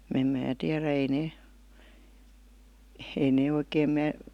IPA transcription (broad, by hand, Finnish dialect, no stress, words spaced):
m̩ mæː tiæræ ei neː ei neː oikeːm mæː